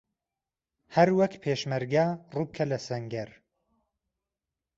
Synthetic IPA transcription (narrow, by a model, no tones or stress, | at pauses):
hɐɾwɐkpʰeːʃmɐɾɡarub̚kʰɐlɐsɐŋɡɐɾ